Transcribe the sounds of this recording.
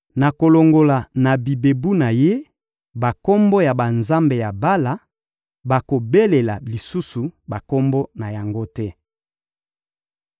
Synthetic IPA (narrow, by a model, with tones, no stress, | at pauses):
na˨ko˨lo˨ŋɡo˨la˨na˨bi˨be˨bu˦na˨je˦ | ba˨ko˦mbo˦ja˨ba˨nza˦mbe˨ja˨ba˦la˨ | ba˨ko˨be˦le˨la˨li˨su˦su˨ba˨ko˦mbo˦na˨ja˨ŋɡo˦tɛ˦